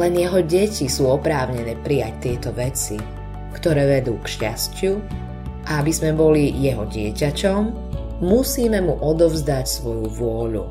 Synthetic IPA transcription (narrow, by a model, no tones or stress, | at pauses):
lɛnjɛɦɔɟɛcisuːɔpɾaːʊɲɛnɛːpɾijact̪ɪɛt̪ɔʋɛt͡si | kt̪ɔɾɛːʋɛd̪uːkʃca̰scɪu | ʔaabizmɛbɔlijɛɦɔɟɪɛcacɔmː | usiːmɛmuʔɔd̪ɔvzd̪acsʋɔjuʋʊɔʎṵ